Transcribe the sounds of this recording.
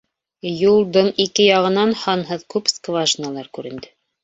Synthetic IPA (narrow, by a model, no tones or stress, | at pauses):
julˠd̪ɤɴikɘjɑʁɤ̆nɑnhɑnɦɤðkʉpskvaʒnalˠɑɾkʉɾɘ̆nd̪ɘ